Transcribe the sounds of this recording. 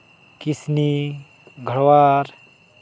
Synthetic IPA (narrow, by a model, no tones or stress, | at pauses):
kisni | ɡʱəɽwaːɾ